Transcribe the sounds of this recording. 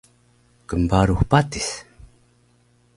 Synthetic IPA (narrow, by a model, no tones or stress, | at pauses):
kəmbaɾuxpat̪is